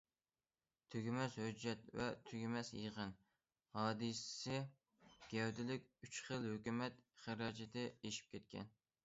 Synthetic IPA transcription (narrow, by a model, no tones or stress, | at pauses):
t̪ʰøɡʲimɛshød͡ʒːɛt̪vɛ̰t̪ʰøɡʲimɛsjəʁən | hɑːd̪ɨssɪ | ɡ̥ʲɛwd̪ɪlɪkʲyt͡ʃχəlˠhøkʲymɛt̪χəɾɑːd͡ʒɛt̪ɪeʃi̥p̚kʲɛt̪̚kʲʰɛ̰n